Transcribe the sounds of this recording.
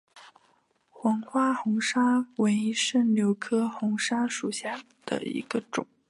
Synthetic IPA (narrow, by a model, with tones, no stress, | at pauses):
xwɑ˧˥ŋxwa˥xʊ˧˥ŋʂa˥we˧˥ɪi˧˥ʂɻə˥˩ljo˧˥ʊkʰɤ˥xʊ˧˥ŋʂa˥ʂu˨˩ɕja˥˩ | d̪̥ə̰˩ḭ˧˥ɡ̥ə˧ʈ͡ʂʊ̰˨˩˦ŋ